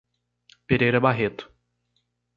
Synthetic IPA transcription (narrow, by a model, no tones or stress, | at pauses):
peɾejɾɐbaɦet̪ʊ̥